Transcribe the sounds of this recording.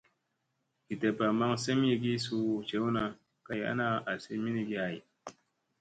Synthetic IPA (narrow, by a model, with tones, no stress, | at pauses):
ki˨te˨pa˨ma˦ŋse˦m˦i˦ɡi˦su˦˨t͡ʃe˨˦wna˨ | ka˦ja̰˦na˦a˨se˦mi˦ni˦ɡi˦a˨i˨